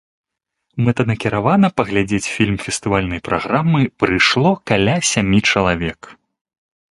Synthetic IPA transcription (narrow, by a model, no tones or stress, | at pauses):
mɛt̪ɐnɐkʲiɾavanɐpɐɣlʲad͡zʲet͡sʲfʲilʲmfʲɛst̪ɨvalʲnɐjpɾʔaɣɾamːɨpɾɨʂlˠɔkalʲasʲamʲit͡ʂɐlˠavʲɛk